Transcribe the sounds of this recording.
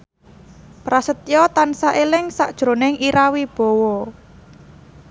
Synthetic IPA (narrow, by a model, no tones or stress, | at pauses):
pɾasət̪̚jɔt̪ansaʔelɪŋsaʔd̥ʒ̥ɾo̤nɪŋiɾawib̥ɔ̤wɔ